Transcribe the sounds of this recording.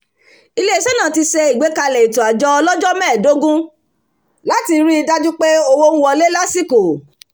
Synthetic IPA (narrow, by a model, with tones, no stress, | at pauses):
i˧le˦i˦ʃɛ˦nãː˦˨ti˧ʃe˧i˨ɡ͡be˨˦ka˧lɛ˨i˨tũ˨a˨d͡ʒɔ˧ɔ˧lɔ˦d͡ʒɔ˦mɛ̃ː˦˨do˨˦ɡũ˦ | la˦ti˧ɾi˦i˧da˦d͡ʒu˦k͡pe˦o˦wo˦n̩˦wɔ˧le˦la˦si˦ko˨